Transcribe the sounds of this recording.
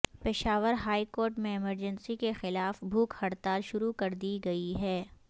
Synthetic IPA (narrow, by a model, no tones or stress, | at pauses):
pɪʃaːʋəɾɦaːikoːɾʈmẽɪməɾd͡ʒənsikexɪlaːfbʱuːkhɐɽt̪aːlʃʊɾukɐɾd̪iɡɐiɦɛː